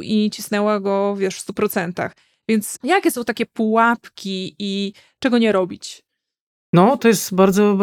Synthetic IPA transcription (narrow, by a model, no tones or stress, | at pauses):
it͡ɕisnɛwaɡɔvʲjɛʂfst̪upɾɔt̪sɛnt̪a̰x | vʲjɛnt̪sjakʲɛsɔ̃w̃t̪akʲɛpuwapkʲii | t͡ʂɛɡɔɲɛɾɔbʲit͡ɕ | nɔt̪ɔjɛst̪baɾd̪zɔ